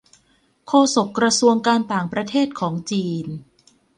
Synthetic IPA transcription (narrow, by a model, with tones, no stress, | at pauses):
kʰoː˧so˨˩kːɾa˧su˧əŋkaː˧nt̪aː˨˩ŋpɾa˧t̪ʰeː˥˩t̪̚kʰɔː˩˦ŋt͡ɕiː˧n